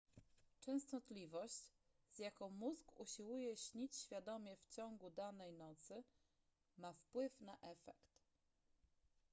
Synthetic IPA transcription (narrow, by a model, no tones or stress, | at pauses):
t͡ʂɛ̃w̃st̪ɔt̪lʲivɔɕt͡ɕ | z̥ʲjakɔ̃w̃muzɡṵɕiwujɛɕɲit͡ɕɕfʲjad̪ɔmʲɛft͡ɕɔŋɡud̪anɛjnɔt̪sɘ | mafpwɘfnaʔɛfɛkt̪